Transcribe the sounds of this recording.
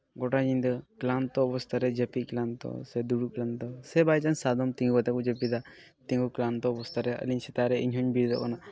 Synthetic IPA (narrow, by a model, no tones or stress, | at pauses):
ɡɔʈaɲind̪ɔklant̪ɔːbɔst̪ʰaɾɛd͡ʒəpiklant̪ɔ̰sɛd̪uɽuklant̪ɔsɛbajt͡ʃansad̪ɔmt̪iŋɡɡɔt̪ɛkud͡ʒəpid̪a | t̪iŋɡuklant̪ɔɔbɔst̪ʰaɾɛə̰liɲsɛt̪aɾɛiɲɦɔɲbiɾd̪ɔkana